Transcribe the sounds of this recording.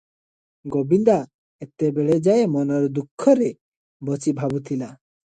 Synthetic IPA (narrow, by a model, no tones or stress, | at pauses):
ɡobind̪a | et̪ebeɭed͡ʒajemɔnɔɾd̪ukʰːɔɾe | bɔt͡ʃibʱabut̪ʰila